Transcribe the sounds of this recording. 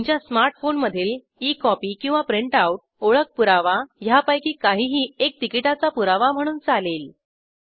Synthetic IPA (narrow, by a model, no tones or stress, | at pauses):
ɲt͡ɕjasmaɾʈfonməd̪ʱiːl | ikɔpiːkĩw̃ʋapɾiɳʈawʈ̚oɭək̚puɾaʋajapajkiːkaɦiːɦiːek̚t̪ikiʈat͡sapuɾaʋam̤əɽ̃uːnt͡salel